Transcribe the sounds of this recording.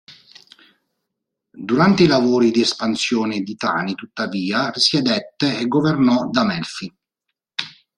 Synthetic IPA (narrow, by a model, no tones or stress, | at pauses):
d̪uɾant̪eilavoːɾid̪iɛspansjɔːned̪it̪a̰ːnit̪ut̪ːaviːarisjed̪ɛt̪ːeeɡːovernɔd̪amɛlfi